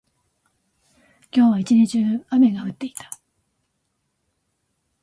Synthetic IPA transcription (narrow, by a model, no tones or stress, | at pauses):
kʲo̞ːβait͡ɕiɲit͡ɕɨːame̞ɡaɸɯ̟t̪ːe̞i̥t̪ḁ